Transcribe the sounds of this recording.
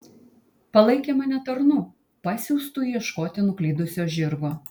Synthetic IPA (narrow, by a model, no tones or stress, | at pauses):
pɐlˠɐɪkʲeːmɐnʲɛt̪ɐɾnuː | pɑsʲuːst̪ʊːjɛʃkoːt̪ʲɪnʊklʲiːd̪ʊsʲoːʒʲɪɾɡoː